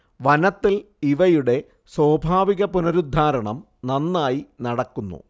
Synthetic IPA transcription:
ʋɐnɐt̪ːil | iʋɐjuɽe̞ | swoːbʱaːʋiɣɐpunɐɾud̪ʱːaːɾɐɳɐm | nɐnːaːjinɐɽɐkːunːṵ

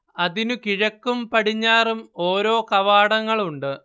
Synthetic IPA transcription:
ɐðinukiɻɐkːumpɐɽiɲːaːrumo̞ːɾo̞ːkɐʋaːɽɐŋːɐɭuɳɖɨ

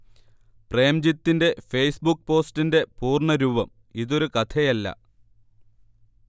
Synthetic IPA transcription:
preːmd͡ʑit̪ːinde̞fejsbukːpo̞ːstinde̞puːrɳɐɾuːbɐm | iðo̞ɾukɐt̪ʰɐjɐlːɐ̰

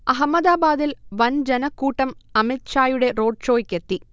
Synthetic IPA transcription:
ɐɦɐmːɐd̪aːbaːd̪ilʋɐnd͡ʑɛnɐkːuːʈːɐmɐmɪt̪t͡ʃaːjuɽeɾoːɖ̚t͡ʃoːjkːet̪ːi

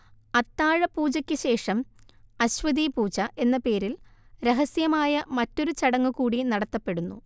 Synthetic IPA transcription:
ɐt̪ːaːɻɐpuːd͡ʑɐkʲːɨɕe̞ːʂɐmɐɕʋɐðiːpuːt͡ɕɐʔe̞nːɐpe̞ːɾilɾeɦɐsjɐmaːjɐmɐtːo̞ɾut͡ɕɐɽɐŋːukuːɽinɐɽɐt̪ːɐpːe̞ɽunːṵ

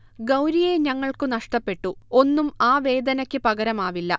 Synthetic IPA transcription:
ɡɐwɾijeɲɐŋːɐɭkɨnɐʂʈɐpːe̞ʈːuo̞nːumaːʋe̞ːd̪ɐnɐkʲːɨpɐɡɐɾɐmaːʋilːɐ

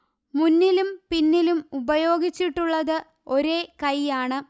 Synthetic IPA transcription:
munːilumpinːilumubɐjo̞ːɡit͡ɕːiʈːuɭːɐðɨ | o̞ɾe̞ːkɐjaːɳɨ

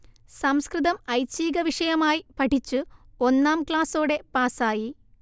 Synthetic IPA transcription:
sɐmskrɨðɐmɐjt͡ɕːiːɡɐʋiʂɐjɐmaːjipɐʈʰit͡ɕːɨo̞nːaːmkɭaːso̞ːɽe̞paːsaːji

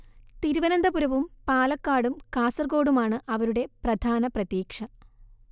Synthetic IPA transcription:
t̪iɾuʋɐnɐnd̪ɐpuɾɐʋumpaːlɐkːaːɽumkaːsɐrɡo̞ːɽumaːɳɨʔɐʋɐɾuɽe̞prɐd̪ʱaːnɐprɐt̪jiːkʂɐ

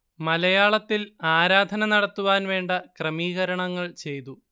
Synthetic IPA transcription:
mɐlɐjaːɭɐt̪ːilaːɾaːd̪ʱɐnɐnɐɽɐt̪ːuʋaːnʋe̞ːɳɖɐkrɐmiːɣɐɾɐɳɐŋːɐɭt͡ɕe̞jt̪u

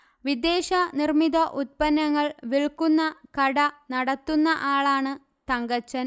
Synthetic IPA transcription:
ʋid̪e̞ːɕɐnirmiðɐʔut̪̚pɐnːɐŋːɐɭʋiɭkːunːɐkɐɽɐnɐɽɐt̪ːunːɐʔaːɭaːɳɨ | t̪ɐŋɡɐt͡ɕːɐn

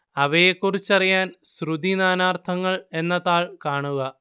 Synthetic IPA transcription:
ɐʋɐjekːurit͡ɕːɐrijaːnɕrud̪inaːnaːrt̪ʰɐŋːɐɭe̞nːɐðaːɭkaːɳuɣɐ

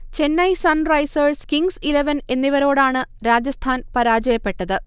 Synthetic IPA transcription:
t͡ɕe̞nːɐjsɐnrɐjsɐrskiŋsileʋɐne̞nːiʋɐɾo̞ːɽaːɳɨɾaːd͡ʑɐst̪ʰaːnpɐɾaːd͡ʑɐjɐpːe̞ʈːɐðɨ

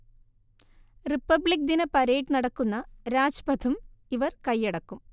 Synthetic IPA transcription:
ripːɐbɭik̚d̪inɐpɐɾejʈːnɐɽɐkːunːɐɾaːd͡ʑɐpɐd̪ʰʱumiʋɐrkɐjːeɽɐkːum

